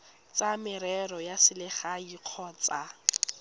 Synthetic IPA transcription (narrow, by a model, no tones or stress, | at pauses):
t͡samɪɾɛrɔjasɪlɪχaiq͡χʰɔːt͡sa